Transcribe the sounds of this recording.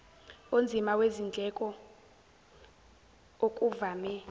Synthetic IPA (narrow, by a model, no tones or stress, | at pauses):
ond͡zʱimawezind͡ɮʱɛkʼɔ | okʼuvaːmɛ